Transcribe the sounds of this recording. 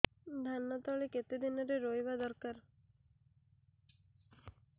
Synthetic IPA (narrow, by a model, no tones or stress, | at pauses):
d̪ʱanːət̪ɔɭeket̪ed̪ɪnəɾeɾoːjʋad̪əɾkaɾ